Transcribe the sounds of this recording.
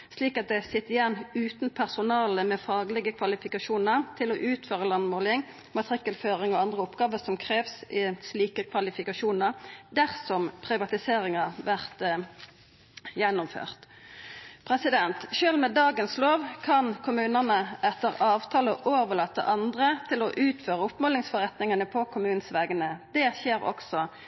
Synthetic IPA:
sliːkɑt̪̚d̪ɛsɪt̪ːɪjɛnːʉːt̪npʰæʁsʊnɑːləmɛfɑːɡlɛɡəkʰʋɑlɪfɪkɑʃuːnəʁt̪ʰɪlɔʔʉːt̪føːʁəlɑnmoːlɪŋ | mɑt̪əʁɪkːəlføːʁɪŋɔɑnd̪ʁəʊpɡɑːʋəsɔmkʰʁeːʋsɪsliːkəkʰʋɑlɪfɪkɑʃuːnəʁd̪æʁsɔmpʰʁɪʋɑt̪ɪseːʁɪŋɑʋæʁt̪ | jɛnːʊmfø̰ːʁt̪ | pʰʁɛsɪd̪ɛnt̪ʃøːlmɛd̪ɑːɡənsloːʋkʰɑnkʰʊmʉːnənəʔɛt̪ːəʁɑːʋt̪ʰɑːləʔoːʋəlɑːt̪ːə̰ʔɑnd̪ʁət̪ʰɪlɔʔʉːt̪føːʁəʊpmoːlɪŋsfɔʁɛt̪nɪŋənəpʰɔkʰʊmʉːnsʋɛːɡənəd̪̥ɛçeːʁɔ̰ksɔ

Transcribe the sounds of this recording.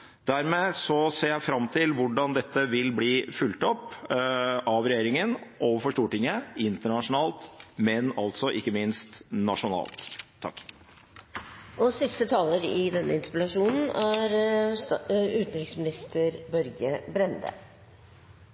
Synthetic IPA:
d̪̥æɾmeːsɔseːɾjæɪfɾɑmːt̪ʰɪlʋʊɖɑnd̪ɛt̪ːəʋɪlbliːfʉlt̪ɔpː | ʔɑʋɾɛjeːɾɪŋənʔɔfɔʂʈ̪uːʈɪŋːəɪnt̪əɳɑʂʊnɑːlt̪mɛnɑlt̪sɔʔɪkːəmɪnst̪nɑʂʊnɑ̰ːlt̪ʰː | ɑ̰kː | ɔsɪst̪ət̪ʰɑːləɾɪd̪ɛnːʔə̰ɪnspɪlɑʂuːnn̩æɾ | ʉːt̪nɾɪksmɪnɪst̪ʰəɾbɔɾɡəbɾɛnd̪ə̰

